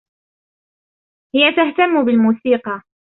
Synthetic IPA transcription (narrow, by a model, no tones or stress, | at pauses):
hɪjat̪aht̪amːʊbɪlmuːsiːqɑ